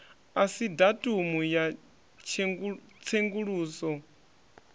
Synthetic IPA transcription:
asidatʼumuja | t͡ʃʰeŋ | t͡sʰeŋɡuɺuːsɔ

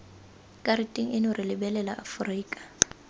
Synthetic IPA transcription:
kʼaɾitʼiŋ̩ɪnʊrɪlɪbɛlɛla̰ʔafriːkʼḁ

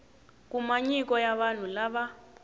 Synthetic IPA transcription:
k̬umaɲik̬ʼɔjaβan̤ulaβa

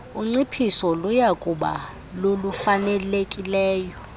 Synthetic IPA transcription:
uŋ͡ǀipʰisɔlujakʼuɓa̰ | lolufanɛlekʼilɛːjɔ

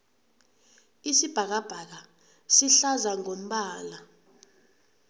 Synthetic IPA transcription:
isib̥ʱak̬ab̥ʱak̬a | siɬazaŋom̩ɓaːla

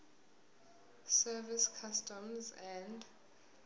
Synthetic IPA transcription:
sɛviskʰastɔmzɛ̃nd

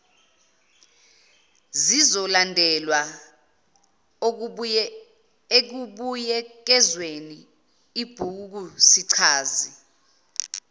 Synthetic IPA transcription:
zizɔlandʱɛlwa | ek̬uɓujɛk̬ɛzweni | ib̥ʱuk̬usiǀʰaːzi

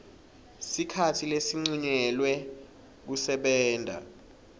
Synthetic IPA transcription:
sikʰatʰilesiŋ͡ǀiɲɛlwɛ | k̬usɛɓɛːndʱa̰

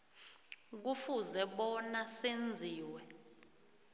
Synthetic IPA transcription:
k̬ufuzɛɓɔnasend͡zʱiːwɛ

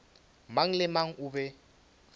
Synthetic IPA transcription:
maŋ̩lɪmaŋ̩ʔʊbɛ

